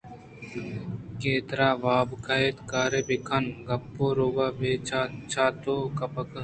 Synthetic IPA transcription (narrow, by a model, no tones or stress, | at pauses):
keːt̪ɾaːʋaːbkaeːt̪kaːɾeːbɪkʰɐnɡɐpːoːɾoːɡaːbeːat͡ʃʰaːt̪oːkɐpək